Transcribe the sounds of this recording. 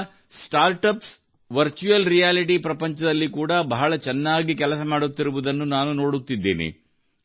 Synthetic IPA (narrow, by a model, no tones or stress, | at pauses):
sʈaːɾʈɐps | ʋɐɾt͡ʃuɐlɾijaːliʈipɾɐpɐɲt͡ʃɐd̪ɐlːikuːɽɐbɐɦɐɭɐt͡ʃɛnːaːɡikɛlɐsɐmaːɽut̪ːiɾuʋud̪ɐnːunaːnuno̞ːɽut̪ːid̪ːḛːnḭ